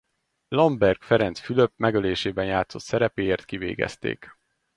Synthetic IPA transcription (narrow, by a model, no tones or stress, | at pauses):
lɒmbɛrɡfɛɾɛnt̪sfyløpmɛɡøleːʃeːbɛnjaːt̪so̞t̪sɛɾɛpeːjeːrt̪kivḛːɡɛ̰st̪ḛːk